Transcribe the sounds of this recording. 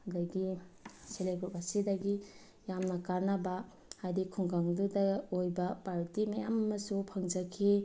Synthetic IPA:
adaɡiseleɡɾupasidɐɡi | jamnɐkaɾnɐba | hajdikʰuŋɡaŋdudɐojbɐpaɾtimajamɐmɐsupʰaŋd͡ʒɐkʰi

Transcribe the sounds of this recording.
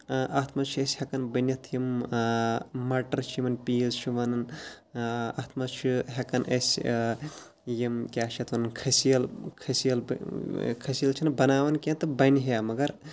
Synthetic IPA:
ʔɐt̪ʰmɐt͡ʃʰiesʲhɐkɐnbɐnɐt̪ʰjim | mɐʈɐɾt͡ʃʰimɐnpiːzt͡ʃʰiʋɐnɐn | ɐt̪ʰmɐt͡ʃʰiɦɐkɐnʔḛs | jimkʲaːʃɐt̪ʰʋɐnɐnkʰɐsijɐlkʰɐsijɐl | kʰɐsijɐlt͡ʃʰinbɐnaːʋɐnkʲẽnt̪ɨbɐnɦjamɐɡɐɾ

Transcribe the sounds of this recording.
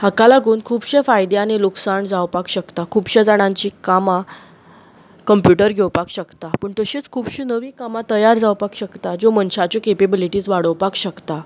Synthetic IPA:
hakalaɡuːnkʰuːbɕefajd̪eañiluksaɳd͡zawpakɕəkt̪akʰuːbɕad͡zaɽ̃ãɲt͡ɕiːkama | kəmpjuʈəɾɡʱewpakɕəkt̪apəɳt̪əɕit͡skʰuːbɕiːnəʋiːkamat̪əjaɾd͡zawpakɕəkt̪ad͡ʑomənɕat͡ɕokepebiliʈiːd͡zʋaɽəwpakɕəkt̪a

